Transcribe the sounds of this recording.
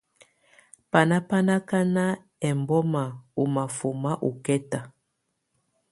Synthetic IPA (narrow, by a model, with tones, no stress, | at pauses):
pa˨na˦pa˦na˦ka˦na˦ | ɛ˨mbɔ˦ma˨u˨ma˨fu˨ma˦ʔu˨kɛ˦ta˨